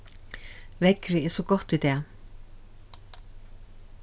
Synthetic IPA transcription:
vɛkɾɪɛsɔɡɔht̪vid̪ɛː

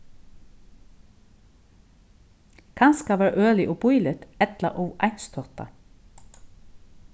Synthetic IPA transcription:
kʰɑnskɑʋæːɹʔøːlɪʔoːbʊʏlət̪ɛt̪lɑ̰ʔoːʋʔɑɪnst̪ʰɔt̪ɑ̰

